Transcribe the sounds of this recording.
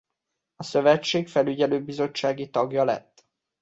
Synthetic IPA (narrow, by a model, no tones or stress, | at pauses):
ɒsøvɛt͡ʃːeːkfɛlyɟɛløːbizo̞t͡ʃːaːɡit̪ɒɡjɒlɛ̰t̪ː